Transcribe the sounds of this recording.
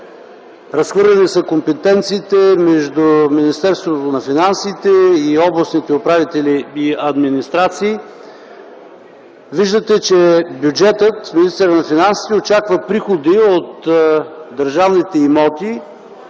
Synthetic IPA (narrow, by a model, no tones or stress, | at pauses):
ɾɐsxvɤɾlʲɛnisəkompɛt̪ɛnt̪siːt̪ɛmɛʒd̪uminist̪ɛɾst̪vot̪onɐfinansit̪ɛiɔblˠɐsnit̪ɛopɾavit̪ɛliiɐd̪minist̪ɾat̪siː | viʒd̪ət̪ɛt͡ʃɛbjud͡ʒɛt̪ət̪minist̪ɛɾənɐfinansi̥t̪ɛot͡ʃakvəpɾixod̪iot̪ | d̪əɾʒavnit̪ɛimɔt̪i